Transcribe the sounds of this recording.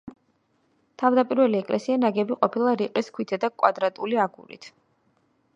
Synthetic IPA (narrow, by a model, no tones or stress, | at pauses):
t̪ʰavd̪apʼiɾvɛliɛkʼlʔɛsianaɡɛbiqʼɔpʰilˠaɾiqʼiskʰwit̪ʰɛd̪akʼwa̰d̪ɾat̪ʼuliaɡṵɾḭt̪ʰ